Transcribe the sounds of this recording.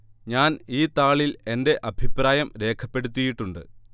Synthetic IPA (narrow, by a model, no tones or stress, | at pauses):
ɲaːniːt̪aːɭile̞nde̞ʔɐbʱipraːjɐmɾe̞ːkʰɐpːe̞ɽut̪̬ːijiʈːuɳɖɨ̰